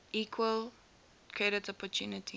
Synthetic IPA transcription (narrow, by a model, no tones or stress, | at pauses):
ʔiːkʰwəl | kʰɹɛɾətɔpɔtʰjuːnətʰi